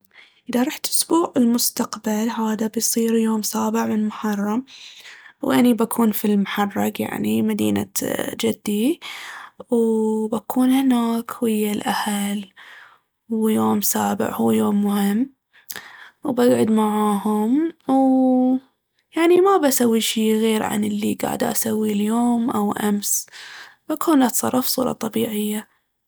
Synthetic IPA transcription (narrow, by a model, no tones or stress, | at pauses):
ʔɪðaɾˤɑːħt̪ʔʊsbuːʕɪlmʊst̪aqbalɦaːðabjsˤiːɾjoːmsaːbɪʕmɪnmʊħɑrˤːɑm | wʔanibakʰuːnfilmʊħɑrˤːɑkja̰ʕnimad̪ḭːna̰d͡ʒɪd̪ːi | wbakʰuːnhɪnaːkwɪjːalʔahal | wjoːmsaːbɪ̰ʕhuːjoːmːʊhɪmː | wbaɡʕʊd̪maʕaːhʊmw | jaʕnimabasawːiʃiːɣeːɾʕa̰nɪlːiɡa̰ːʕɪ̰d̪ʔa̰sawːiljoːmʔawʔams | b̥akʰuːnlat̪sˤɑ̰ɾˤːɑfsˤṵːɾˤɑ̰t̪ˤɑbiːʕɪjːa